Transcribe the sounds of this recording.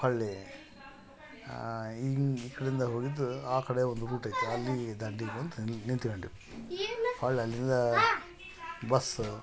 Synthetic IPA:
ɐɭːe | iikːɐɽeind̪ɐɦoːɡid̪uaːkɐɽeond̪uɾuːʈɐjt̪ːeɐlːid̪ɐɳɖikːɐnt̪ɐnint̪iɡɐɳɖi | pɐɭːeɐlːind̪ɐ | bɐs

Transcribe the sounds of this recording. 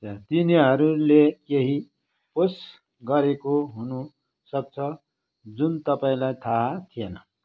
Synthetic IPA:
at̪iniɦʌɾulekeɦi | pos | ɡʌɾekoɦunu | sʌk̚t͡sʰʌ | d͡zunt̪ʌpaĩlajt̪ʰat̪ʰijenʌ

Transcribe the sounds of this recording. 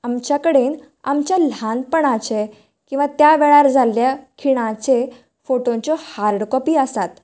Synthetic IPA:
amt͡ɕjakəɽen | a̰mt͡ɕjalanpəɳat͡ɕe | kĩw̃ʋat̪jaʋeɭaɾd͡zʱaljakʰiɽ̃ãt͡ɕe | foʈõɲt͡ɕɔhaɾɖkɔpiːəsat̪

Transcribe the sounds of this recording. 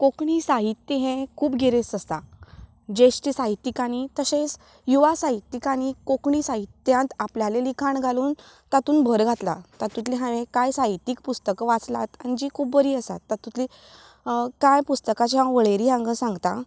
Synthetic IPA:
kokɳisaɦit̪ːjəɦẽkʰuːbɡʱeɾesəst̪a | d͡ʑeɕʈisaɦit̪ːikañit̪əɕẽs | juʋasaɦit̪ːikañikokɳisaɦit̪ːjãnt̪apljalelikʰaɳɡʱaluːn | t̪at̪uːnbʱəɾɡʱat̪la̰t̪at̪ut̪liɦãʋẽkajsaɦit̪ːiːk̚pust̪əkʋat͡slat̪añid͡ʑiːkʰuːbʋəɾiːəsa̰t̪ːat̪ut̪li | kajpust̪əkat͡ɕjaʋəɭeɾiãŋɡəsãŋɡt̪a

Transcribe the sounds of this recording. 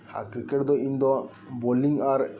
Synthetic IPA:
ha̰kɾikeʈd̪oind̪ɔ | bolːiŋɡaːɾ

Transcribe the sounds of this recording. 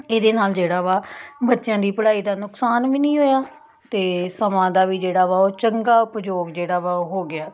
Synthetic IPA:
eːd̪eːnaːld͡ʒeːɽaːʋaːbətːʃjãːd̪iːpəɽaːiːd̪aːnʊksaːnʋiːnĩːɦoːjaː | t̪eːsəmãːd̪aːʋiːd͡ʒeːɽaːʋaːoːt͡ʃəŋɡaːʊpd͡ʒoːɡd͡ʒeːɽaːʋaːɦoːɡɪaː

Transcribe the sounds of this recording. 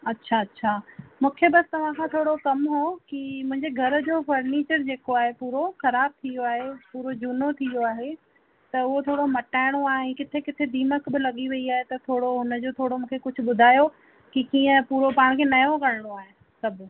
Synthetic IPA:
ɐtːɕʰaɐtːɕʰaːmũːkʰebɐst̪ɐʋ̤ãkʰãːt̪ʰoːɽokɐmɦokimʊ̃ɦɪɲd͡ʑeɡʱɐɾd͡ʑoːfɐɾniːt͡ɕəɾd͡ʑeːkoaːɦepuːɾoxɐɾaːb̚t̪ʰijoaːɦepuːɾod͡ʑuːnot̪ʰijoaːɦe | t̪ɐʊɦot̪ʰoːɽomɐʈaːɪɽ̃oaːɦẽkɪt̪ʰekɪt̪ʰed̪ʱiːməkbɪlɐɠiʋɐiaːɦet̪ɐt̪ʰoːɽoɦʊnə̆d͡ʑoːt̪ʰoːɽomũːkʰekʊd͡ʑʱʊ̆ɓʊd̪ʱaːjo | kikĩːə̃puːɾopaːɽ̃kʰeːnɐjokɐɽ̃əɽ̃oaːɦe | sɐbʱʊ

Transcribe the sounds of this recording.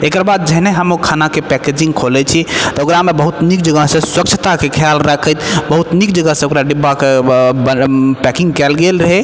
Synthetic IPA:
ekəɾbad̪̚d͡ʒəɦneɦəmokʰanakepɛked͡ʒĩŋɡkʰolɛt͡ʃʰit̪ɔokɾamebəɦut̪nik̚d͡ʒəɡəɦsẽswək̚t͡ʃʰət̪akekʰjalɾəkʰət̪bəɦut̪nik̚d͡ʒəɡəɦseokɾaɖibake | pɛkiŋɡkɛlɡelɾəɦɛ

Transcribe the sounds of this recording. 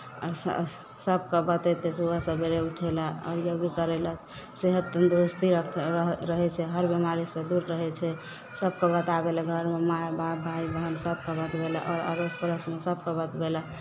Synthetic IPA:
səb̚kəbət̪ɛt̪esuəsəbʱeɾeuʈʰɛlaɔ̰ɾjoɡkəɾelə | seɦət̪ːənd̪ɾust̪i | ɾəɦɛt͡ʃʰɛɦəɾbemaɾisə̃d̪uɾɾəɦɛt͡ʃʰɛ | səb̚kɔbət̪abeləɡʱəɾmemajbʱabʱaibʱɦənsəb̚kəbət̪belaʔɔ̰ɾə̰ɾospəɾəsmesəb̚kəbət̪bela

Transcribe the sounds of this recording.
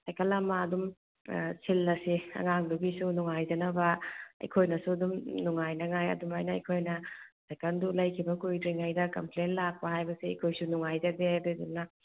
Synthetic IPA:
sajkɐlːamːaɐdum | sʰilːɐsiɐ̰ŋaŋduɡisunuŋajd͡ʒɐnɐbɐɐ̰jkʰojnɐsuɐdumnuŋajnɐŋajɐ̰dumajnɐɐ̰jkʰojnɐ | sekɐndulɐjkʰibɐkujdɾiŋajdɐkɐmplenlak̚pɐhajbɐsiɐ̰jkʰojsunuŋajzɐdededumnɐ

